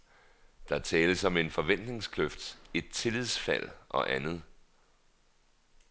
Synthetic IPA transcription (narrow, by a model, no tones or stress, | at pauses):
d̥ɑ̈t͡sʰɛːləsɒ̽me̝nfɒ̽ʋen̰d̥ne̝ŋskʰløfd̥e̝d̥̚t͡sʰe̝lið̰ˠsfæl̰ʔɒ̽ʔænð̞̩ˠ